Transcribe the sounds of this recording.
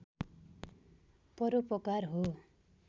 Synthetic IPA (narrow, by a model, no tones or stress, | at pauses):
pʌɾupʌkarɦo